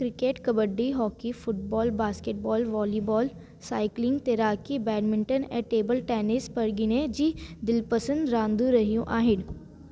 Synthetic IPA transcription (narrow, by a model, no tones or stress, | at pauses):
kɾɪkeːʈkɐbəɖːiɦɔːkifʊʈ̚bɔːlbaːskeːʈ̚bɔːlʋɔːlibɔːl | saːɪklɪ̃ŋɡt̪eɾaːkibɛːɖmɪ̃ɳʈənɛ̰̃ːʈeːbəlʈɛːnɪspɐɽɡɪnẽd͡ʒiːd̪ɪlpɐsə̃nd̪ɾãːnd̪ũɾɐɦijũʔaːɦɪn